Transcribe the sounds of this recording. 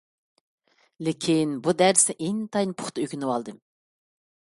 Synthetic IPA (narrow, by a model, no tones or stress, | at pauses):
lɪkʲʰinbud̪æɾsɪʔeŋt̪ʰɑjnpʰʊ̥χt̪ɑøkʲynɨwɑlˠd̪ɨm